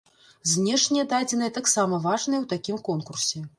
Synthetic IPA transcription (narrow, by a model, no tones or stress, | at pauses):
zʲnʲɛʂnʲɛjɛd̪ad͡zʲɛnɨjɛt̪aksamɐvaʐnɨjɛwt̪akʲimkɔnkursʲɛ